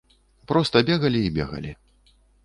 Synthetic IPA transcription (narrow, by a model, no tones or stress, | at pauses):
pɾɔst̪ɐbʲɛɣɐlʲiːbʲɛ̰ɣɐ̰lʲi